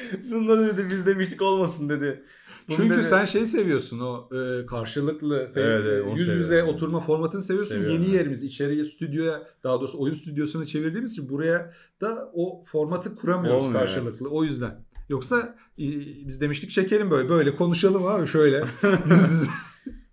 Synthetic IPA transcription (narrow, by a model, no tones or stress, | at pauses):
bunlˠaɾɯd̪ed̪ibizd̪e̞miʃt̪iko̞lˠmasɯnd̪e̞d̪ɪ | t͡ʃyɲcʰysænʃe̞jse̞vijo̞ɾsuno̞ɯːkʰaɾʃɯlˠɯklˠɯt̪eeɛɛjyzjyzɛo̞t̪ʰuɾmafo̞ɾmat̪ʰɯnɯse̞vijo̞ɾsunje̞nije̞ɾimizit͡ʃʰe̞ɾijɛst̪ʰyd̪jo̞jad̪̥aɦad̪o̞ːɾusuojunst̪ʰyd̪jo̞sunɯt͡ʃʰe̞viɾd̪iːmizinbuɾaja | d̪̥aofo̞ɾmat̪ʰɯkʰuɾamijoɾkʰaɾʃɯlˠɯklˠɯo̞jyzd̪æ̰njo̞ksa | bizd̪e̞miʃt̪ʰic̚t͡ʃʰe̞cʰe̞ɾʲimbø̞jlʲɛbø̞jlʲɛkʰo̞nuʃalˠɯmhaːbiʃø̞jlʲɛjyzjyzɛ